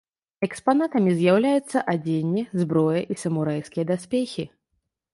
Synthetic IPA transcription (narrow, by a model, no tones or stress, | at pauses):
ɛkspanat̪ɐmʲizʲjawlʲajut̪sːɐʔad͡zʲenʲːizbɾɔjɐʔisɐmuɾajskʲijɐd̪asʲpʲexʲi